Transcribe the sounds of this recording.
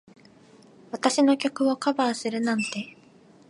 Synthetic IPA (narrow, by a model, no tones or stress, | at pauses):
βat̪aɕino̞kʲo̞kɯ̟βo̞kabaːsɨɾɯ̟nãnt̪e̞